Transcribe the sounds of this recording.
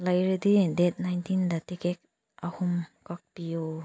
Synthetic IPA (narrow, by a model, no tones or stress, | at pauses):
lajɾɯd̪idet̚najntindatikek̚ | ahumkak̚pijo